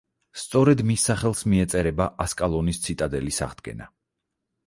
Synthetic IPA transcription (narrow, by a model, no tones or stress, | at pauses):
st̪sʼɔɾɛd̪misːaχɛlˠsmiɛt̪sʼɛɾɛbaʔaskʼalˠɔnist̪sʰit̪ʼad̪ɛlisa̰ʁd̪ɡɛ̰na̰